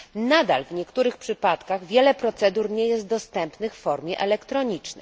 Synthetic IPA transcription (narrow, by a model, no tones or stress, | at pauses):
nad̪a̰lvɲɛkt̪uɾɘxpʂɘpat̪kaɣvʲjɛlɛpɾɔt̪sɛd̪uɾɲɛjɛst̪̚d̪ɔst̪ɛmpnɘxfːɔɾmʲjɛʔɛlɛkt̪ɾɔɲit͡ʂnɛ̰j